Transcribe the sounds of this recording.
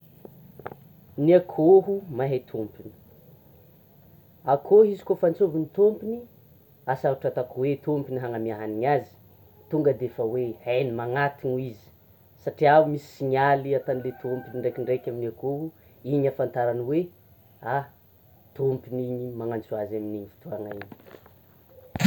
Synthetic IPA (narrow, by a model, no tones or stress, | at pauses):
niakʰoɦumaɦat̪ʰompini̥ | akʰoɦizi̥kofant͡sovinit̪ompini | asauʈ͡ʂat̪akwet̪ompiniɦaŋamiaɦaniɲazi̥ | t̪uŋɡəd̪efəwehanimaŋat̪inizi̥ | saʈ͡ʂiaumisi̥siɲaliat̪anilet̪ompiniɳɖ͡ʐekiɳɖ͡ʐekʲaminakoɦu | iɲafant̪aɾanwe | a | t̪ompiniɲimaŋant͡suazaminiɲfi̥t̪uaŋaiɲ̥